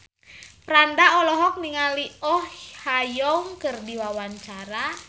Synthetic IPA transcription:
pɾandaɔlɔɦɔk̚niŋaliɔhhajɔŋkərdiwawant͡ʃaɾa

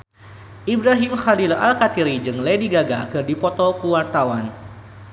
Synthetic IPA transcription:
ʔibɾaɦimxalila̰lkat̪iɾid͡ʒɨŋlediɡaɡakɨrdipɔt̪ɔkuwart̪awan

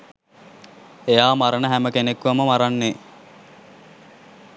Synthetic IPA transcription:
ejaːmaɾənəɦæməkenekʋaməmaɾanːe

